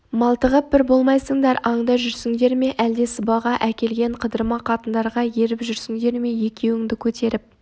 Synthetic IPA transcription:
mɑlˠt̪əʁəp̚bɪɾbo̞lˠmɑjsəɴd̪ɑɾɑɴd̪ɑʒʏɾsɪŋd̪e̞ɾme̞ʔæld̪e̞səbɑʁɑʔækʲe̞lɡʲe̞ɴqʰəd̪əɾmɑqʰɑt̪ənd̪ɑɾʁɑje̞ɾɪpʒʏɾsɪŋd̪e̞ɾme̞je̞kʲʰe̞wɪŋd̪ɪkʲʰɵt̪e̞ɾɪp̚

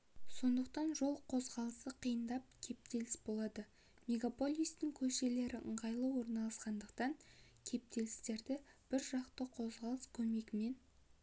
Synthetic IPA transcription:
so̞nd̪əq̚t̪ɑnʒo̞lˠqʰo̞zʁɑlˠəsəqʰijənd̪ɑp̚kʲʰe̞p̚t̪e̞lɪsbo̞lˠɑd̪ə | me̞ɡapo̞lʲˠijst̪ɪŋkʲʰɵʃe̞le̞ɾɪʔə̰ɴʁɑjlˠəwo̞ɾnɑlˠɑsqɑnd̪əqt̪ɑŋ | kʲʰe̞p̚t̪e̞lɪst̪e̞ɾd̪ɪb̥ɪɾʒɑqt̪əqʰo̞zʁɑlˠəskʲʰɵme̞ɡʲɪme̞n

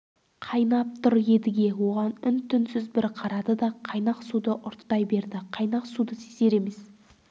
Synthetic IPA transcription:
qʰɑjnɑp̚t̪ʰʊɾje̞d̪ɪɡʲe̞wo̞ʁɑnʏnt̪ʰʏnsʏzbɪɾqʰɑɾɑd̪əd̪ɑqʰɑjnɑqsud̪əʔʊɾt̪ːɑjbe̞ɾd̪ɪqʰɑjnɑqsud̪əsese̞ɾe̞me̞s

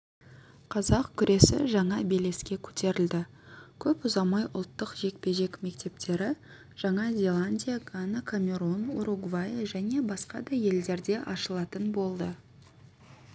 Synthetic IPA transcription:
qʰɑzɑqkʲʰʏɾʔe̞sɪ̰ʒɑɴɑbe̞le̞skʲe̞kʲʰɵ̥t̪e̞ɾɪld̪ɪ | kʲʰɵpʊzɑmɑjʔʊ̰lˠt̪ːəqʒe̞k̚pe̞ʒe̞kme̞k̚t̪e̞p̚t̪ʰe̞ɾɪ | ʒ̥ɑɴɑzʲe̞lˠanʲdʲijaɡanakʰamʲe̞ɾonuɾuɡvajeʒæne̞bɑsqɑd̪ɑje̞ld̪e̞ɾd̪e̞ʔɑʃəlˠɑt̪ənbo̞lˠd̪ə

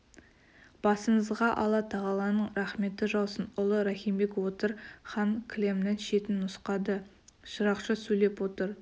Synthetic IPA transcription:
b̥ɑsəɴəzʁɑʔɑlˠɑt̪ʰɑʁɑlˠɑnəɴɾɑχme̞t̪ːɪʒɑw̪ˠsənʊlˠəɾɑχijmbe̞kwot̪əɾχɑŋkʰʲle̞mnɪŋʃe̞t̪ɪnːʊsqɑd̪ə | ʃəɾɑqʃəsɵjle̞pwo̞t̪əɾ

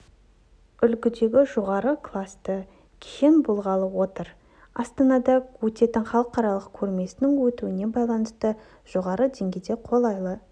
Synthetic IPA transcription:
ʏlɡʲɪd̪e̞ɡʲɪʒo̞ʁɑɾəkʰlˠast̪ə | kʲʰejɪnbolˠʁɑlˠəwo̞t̪əɾ | ɑst̪ɑnɑd̪ɑwɵt̪e̞t̪ɪnχɑlˠəqɑɾɑlˠəqkʲʰɵɾme̞sɪnɪŋwɵt̪uɪne̞bɑjlˠɑnəst̪ə | ʒ̥oʁɑɾəd̪e̞ŋɡʲejd̪e̞qʰo̞lˠɑjlˠə

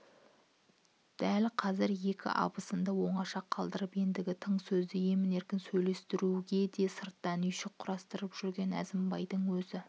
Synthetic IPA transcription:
d̪̥ælqʰɑzɪɾje̞kʲɪ̰ʔɑ̰bəsənd̪ɑwo̞ɴɑʃɑqʰːɑlˠd̪əɾəpe̞nd̪ɪɡʲɪt̪ʰəɴsɵzd̪ɪje̞mɪne̞ɾkʲɪnsɵjle̞st̪ɪɾuɡʲe̞d̪e̞səɾt̪ːɑnʏjʃɪk̚qʰʊɾɑst̪əɾəpʒ̥ʏɾɡʲe̞næ̰zɪmbɑjd̪əɴwɵzɪ

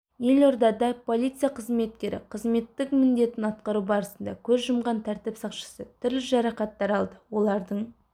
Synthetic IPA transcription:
je̞lo̞ɾd̪ɑd̪ɑpʰolˠijt̪sɨjaqʰəzme̞t̪kʲe̞ɾɪ̰qʰəzme̞t̪ːɪkmɪnd̪e̞t̪ɪnɑt̪qɑɾubɑɾəsənd̪ɑ̰kʲʰɵzʒəmʁɑnt̪ʰæɾt̪ɪpsɑqʃə̥sət̪ʰʏɾlɪʒɑɾɑqɑt̪ːɑɾɑlˠd̪əwo̞lˠɑɾd̪əɴ

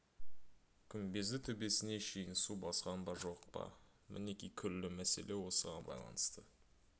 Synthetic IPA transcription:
kʲʰʏmbe̞zd̪ɪt̪ʰʏbe̞sɪne̞ʃejɪnsubɑsqɑnd̪ɑʒo̞qpɑ̰ | mʔɪ̰ne̞kʲijkʲʰʏɾlːɪmæse̞̰le̞wo̞səʁɑnbɑ̰jlˠɑ̰nəst̪ə

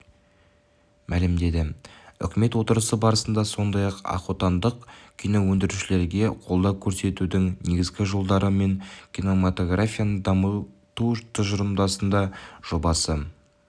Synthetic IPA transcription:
mʔælɪmd̪e̞d̪ɪʏ̰kʲɪme̞t̪wo̞t̪əɾəsəbɑɾəsənd̪ɑso̞nd̪ɑjɑqɑ̰qot̪ɑnd̪əqkʲʰijno̞wɵnd̪ɪɾuʃɪle̞ɾɡʲe̞qʰolˠd̪ɑkʲʰɵɾse̞t̪ud̪ɪŋne̞ɡʲɪzɡʲɪʒo̞lˠd̪ɑɾəme̞ŋkʲʰino̞mat̪o̞ɡrafʲijanəd̪ɑmət̪ut̪ʰəʒəɾəmd̪ɑsənd̪ɑʒ̥o̞bɑsə

